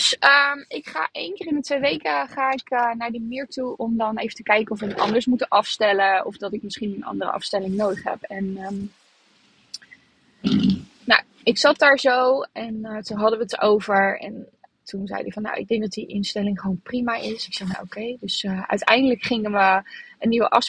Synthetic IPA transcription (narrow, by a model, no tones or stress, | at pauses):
d̥səmɪkχa̰ːʔejnkɪːrɪnətʋejʋejkəχaːɪkənaːɹdəmɪːɹtuʔɔmdɑnejvətəkɛjkənɔfʋəəɑ̰ndəɹsmutəʔɑfstɛləɔ̰fdɑtɪk̚mɪsχinənɑ̰ndərə̰ʔɑ̰fstɛlɪŋnowdəχɦɛ̰pɛnə | na | ɪksɑt̚daːɹzowɛntoɦɑdəʋəətowvəɹɛ̰ntunzɛ̰jdɪkfɑnːa̰wɪ̰ɡ̚dɛŋɡ̚dɑt̚diʔɪnstɛlɪŋχəʋownprimaʔɪsɪksɛjna̰ʔo̰kejdɵsəʔœ̰ɥtɛjndələkχɪŋənʋəəniʋə̰ʔɑ̰f